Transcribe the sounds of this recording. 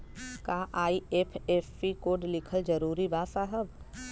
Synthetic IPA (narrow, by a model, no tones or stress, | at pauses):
kaːʔaːieːpʰeːfːikoːɖlɪkʰəld͡ʒɐɾuːɾibaːsaɦəb